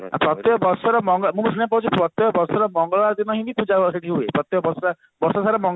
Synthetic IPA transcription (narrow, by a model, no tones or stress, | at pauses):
a̰pɾɔt̪ɔɔbɔɾsɔɾɔmɔŋɡɔmũsʰunjap̬aut͡ʃʰupɾɔt̪jɔɔbɔɾsɔɾɔmɔŋɡɔlɭɔɭaɾd̪inɔɦĩbipud͡ʒaɦoseʈiɦuepɾɔt̪ːjɔɔbɔsa | bɔɾsɔsaɾɔmɔŋ